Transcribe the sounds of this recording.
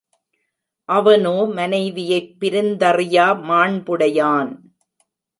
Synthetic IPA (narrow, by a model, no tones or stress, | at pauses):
ʔɐʋɐnoːmɐnɐɪʋɪjɐɪpːɪɾɪnd̪ɐrɪjaːmaːɳbʊɽɐjaːn